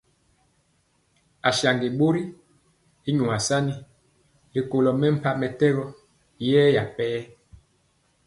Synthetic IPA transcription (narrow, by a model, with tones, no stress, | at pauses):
a˨ʃja˨ŋɡi˨ɓo˦ɾi˦ | i˦ɲu˨a˨sa˦ni˦ | li˨ko˨lɔ˨mɛ˦m̩˨pa˦mɛ˨tɛ˦ɣɔ˦ | jɛː˦ja˨pɛː˦